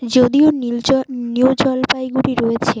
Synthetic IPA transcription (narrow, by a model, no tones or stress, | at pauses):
d͡ʑod̪ionnud͡ʑɔlpajɡuɾiɾoet͡ɕʰe